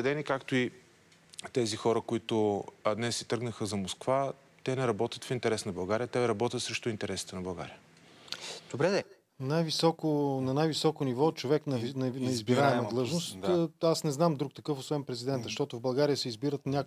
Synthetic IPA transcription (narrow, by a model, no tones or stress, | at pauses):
ɛd̪ɛnikakt̪ʊi | t̪ɛzixɔɾəkʊit̪ʊd̪nɛsːi̥t̪ɤɾɡnəxəzɐmoskva | t̪ɛnɛɾɐbɔt̪ʲət̪fint̪ɛɾɛsnɐbɐlˠɡaɾijət̪ɛɾɐbɔt̪ʲət̪sɾɛʃt̪ʊint̪ɛɾɛsi̥t̪ənɐbɐlˠɡa̰ɾijə | d̪̥obɾɛɛ | najvisɔkʊnɐnajvisɔkʊnivɔt͡ʃovɛknnnɐizbiɾaɛmɐd̪lˠɤʒnost̪asnɛznamd̪ɾukt̪ɐkɤfosvɛnpɾɛzid̪ɛnt̪əʃt̪ɔt̪ʊvbɐlˠɡaɾijəsɛizbiɾət̪nʲak